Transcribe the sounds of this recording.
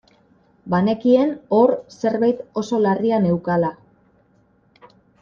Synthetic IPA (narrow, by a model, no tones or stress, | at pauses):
bane̞kie̞no̞ɾse̞ɾβajt̪o̞so̞lariane̞wkala